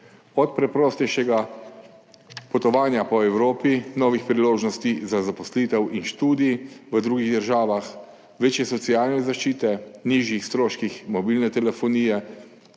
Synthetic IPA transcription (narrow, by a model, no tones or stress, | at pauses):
ɔt̪̚pɾɛpɾɔːst̪ɛjʃɛɡa | pɔt̪ɔʋaːnjapɔɛwɾoːpinɔːʋixpɾiloːʒnɔst̪izazapɔsliːt̪ɛwinʃt̪uːd̪iiʋəd̪ɾuːɡiɣd̪əɾʒaːʋax | ʋeːt͡ʃjɛsɔt̪siaːlnɛzaʃt͡ʃiːt̪ɛniːʒjixst̪ɾoːʃkixmɔbiːlnɛt̪ɛlɛfɔniːjɛ